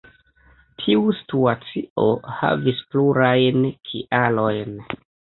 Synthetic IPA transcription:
tʰiusi̥tuat͡sioha̰vispluɾajnkʰḭʔalo̞jn

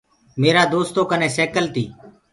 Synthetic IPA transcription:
meːɾaːd̪oːst̪oːkənẽːsɛːkəlt̪ḭː

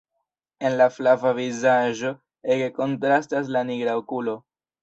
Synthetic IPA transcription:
e̞nlaflavavizaʒo̞ | eɡeko̞ntɾastas̬laniɡɾaokulo̞

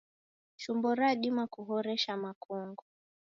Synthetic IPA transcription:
ʃumbɔɾaɗimakuɦɔɾɛʃamakɔŋɡɔ

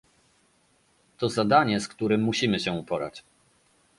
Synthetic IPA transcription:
t̪ɔzad̪aɲɛskt̪uɾɘmːuɕimɘɕɛupɔɾa̰t͡ɕ

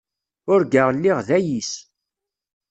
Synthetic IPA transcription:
ʊɾɡəʁlːiʁðæjis

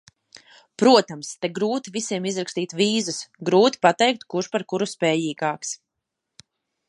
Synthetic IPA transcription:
pɾuɔt̪amst̪ɛɡɾuːt̪ivisiɛmizɾakst̪iːt̪viːzusɡɾuːt̪i̥pat̪ɛjk̚t̪kuɾʃpaɾkuɾuspɛːjiːɡaːks

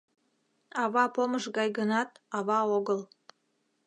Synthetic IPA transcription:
ɑβɑpoməʃɣɑjɣənɑt̪̚ɑβɑoɣəl

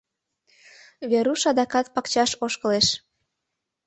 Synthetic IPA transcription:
βeɾuʃɑd̪ɑkɑt̪̚pɑkt͡ɕɑʃoʃkə̆leʃ

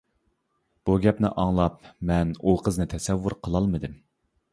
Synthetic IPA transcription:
b̥uɡʲɛpnɪ̰ʔɑŋlˠɑp̚mɛnuqʰəznɨt̪ʰɛsɛvːuɾqʰəlˠɑlˠmɨd̪ɨm

